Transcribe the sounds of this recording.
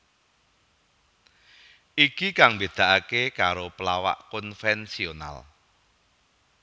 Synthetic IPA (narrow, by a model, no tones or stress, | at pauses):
ʔikikaŋmbed̪̥a̤ʔakekaɾopəlawa̰ʔkɔnfɛnsiona̰l